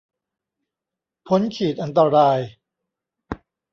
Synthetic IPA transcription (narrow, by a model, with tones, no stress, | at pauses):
pʰo˦˥nkʰiː˨˩t̪̚ʔa˧nt̪a˧ɾaː˧j